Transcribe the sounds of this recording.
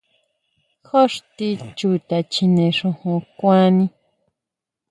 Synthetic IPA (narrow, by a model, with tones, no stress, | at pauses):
xo˦ʂt̪i˧t͡ʃu˧˨t̪a˧t͡ʃi˧nẽ˧ʂũ˧hũ˧kʷã˦nĩ˦